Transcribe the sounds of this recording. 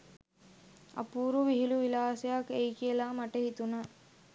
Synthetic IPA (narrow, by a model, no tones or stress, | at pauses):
ɐ̰puːɾuʋiɦiluʋilaːsɐjaːkejkijelaːmɐʈeɦit̪unɐ